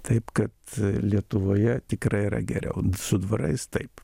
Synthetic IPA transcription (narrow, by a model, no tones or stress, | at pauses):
t̪ɐɪpkɐt̪lʲiɛt̪ʊʋoːjɛt̪ʲɪkɾɐɪiɾɐ̰ɡʲɛ̰ɾʲɛ̰ʊsʊd̪ʋɐɾɐ̰ɪst̪ɐɪp